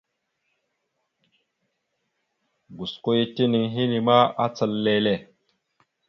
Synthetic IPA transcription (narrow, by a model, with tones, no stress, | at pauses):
ɡu˨sko˦ji˦ti˦ni˨ŋɦi˦ni˨ma˦a˦t͡sə˨lːe˦le˦˨